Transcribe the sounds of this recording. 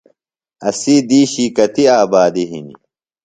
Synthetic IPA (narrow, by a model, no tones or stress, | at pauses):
ɐsiːd̪iːɕiːkɐt̪iaːbaːd̪iɦḭni